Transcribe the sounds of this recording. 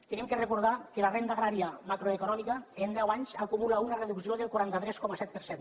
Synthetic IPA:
t̪enimkerekuɾð̞akelarend̪aɣɾaɾjamakɾoekunɔmikaend̪ɛwaɲzakumulaunareðuksioðelkuɾant̪at̪ɾɛskɔmasɛt̪̚peɾsen

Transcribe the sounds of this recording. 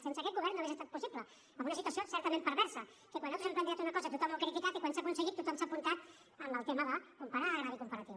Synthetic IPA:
sensəkɛt̪ɡɣuβɛɾnːoesest̪at̪̚pusiplə | əmbunɐsit̪wəsiosɛɾt̪əmẽmpəɾβɛɾsə | kekwanːat̪ɾuzɛmplənt̪iat̪unəkɔzət̪ut̪ɔmolkɾit̪ikat̪ikwansakunsəɣit̪ːut̪ɔmsapunt̪at̪ | əmbəlˠt̪eməðəkumpəɾaɣɾaðikumpəɾət̪iw

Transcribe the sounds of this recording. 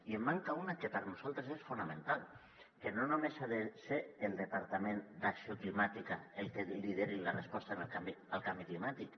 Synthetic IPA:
iemːaŋkaunakepəɾnuz̥alˠt̪ɾesesfunamẽnt̪alˠ | kenonumesaðeseːlˠd̪epaɾt̪amẽnd̪aksioklimat̪ikaelˠkelið̞eɾilarespɔst̪anəlkambiəlˠkambiklimat̪ik

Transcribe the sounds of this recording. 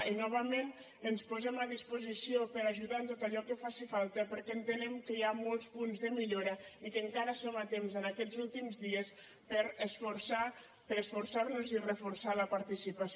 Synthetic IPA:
inɔβ̞əmen | ənspuzɛmaðispuzisiopəɾaʒuðant̪ot̪əʎɔkəfasifalˠt̪əpəɾkɛənt̪ənɛmkəjamɔlˠspunzðəmiʎoɾəikəŋkaɾəsomat̪emzənakɛzulˠt̪imzðiəs | pəɾəsfuɾsa | pəɾəsfuɾsaɾnuzirəfuɾsaləpaɾt̪isipas

